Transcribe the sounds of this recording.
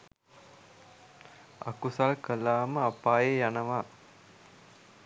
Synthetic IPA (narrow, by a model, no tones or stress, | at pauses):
a̰kusalkəlaːməapaːjejanəʋaː